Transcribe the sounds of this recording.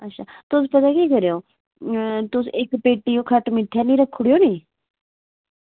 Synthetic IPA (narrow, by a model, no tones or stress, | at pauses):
ətːʃʰaːt̪os̬pɐt̪akiːkəɾjoː | t̪oseːkpeːʈːijoːkʰɐʈmɪʈʰːaniːɾəkʰːʊɽijoːnĩː